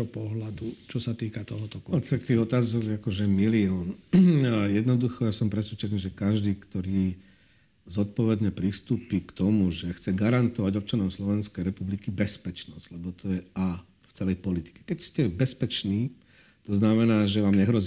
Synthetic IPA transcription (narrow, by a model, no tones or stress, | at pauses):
ɔpɔɦlad̪ut͡ʃɔsat̪iːkat̪ɔɦɔt̪ɔkt̪akt̪iːɣɔt̪aːzɔɡakɔʒɛmiliɔːn | jɛd̪nɔd̪uxɔjasɔmpɾɛsʋɛt͡ʃɛniːʒɛkaʒd̪iːkt̪ɔɾiː | zɔt̪̚pɔʋɛd̪ɲɛpɾist̪uːpikt̪ɔmuʒɛxt͡sɛɡaɾant̪ɔʋaɟɔp̚t͡ʃanɔmslɔʋɛnskɛjɾɛpublikibɛspɛt͡ʃnɔzɟ̥lɛbɔt̪ʰɔjɛaː | ft͡sɛlɛjpɔlit̪i̥kɛ̥kɛcscɛbɛspɛt͡ʃniː | t̪ɔznamɛnaːʒɛʋaːmɲɛɦɾɔzi